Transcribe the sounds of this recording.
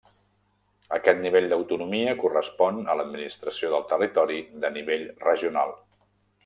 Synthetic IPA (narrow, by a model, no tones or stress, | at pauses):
əkɛt̪niβ̞eʎʲd̪əwt̪unumiəkurəspɔnələd̪minist̪ɾəsioðəlˠt̪ərit̪ɔɾiðəniβ̞eʎrəʒiuna̰lˠ